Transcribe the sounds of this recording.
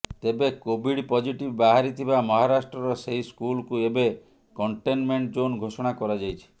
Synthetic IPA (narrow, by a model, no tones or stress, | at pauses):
t̪ebekobʱiɽpɔd͡ʒiʈibbaɦaɾit̪ʰibamɔɦaɾasʈɾɔɾɔseɦiskulkuebe | kɔɳʈenmeɳʈd͡ʒonɡʱosɔɽ̃akɔɾad͡ʒajt͡ʃʰi̥